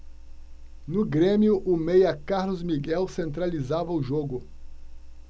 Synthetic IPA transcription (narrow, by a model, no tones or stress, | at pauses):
nʊɡɾẽmjʊʔʊmejɐkaɾlʊzmiɡɛwsẽnt̪ɾalizavɐʊʒoɡʊ